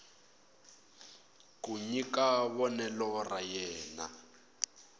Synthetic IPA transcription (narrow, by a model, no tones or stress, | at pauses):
kuɲikaβɔnɛlɔrajɛːna̰